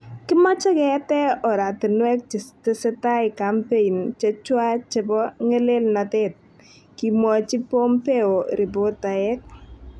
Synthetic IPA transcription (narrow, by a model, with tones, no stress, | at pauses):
kɪ˦mɔ˦t͡ʃɔ˦kɛ˨tɛ˦ɔ˨ɾa˨tɪ˨nwɛ˦k̚t͡ʃɪ˨tɪ˦sɛ˦ta˦ɪ˨ka˨mpe˦i˨nt͡ʃe˦t͡ʃwa˦t͡ʃe˨bɔ˦ŋɛ˦le˦lna˨tɛ˦t̚ | ki˨mwɔ˨t͡ʃɪ˦po˦mpe˦o˨ɾɪ˨bo˦ta˨ɛ˦k̚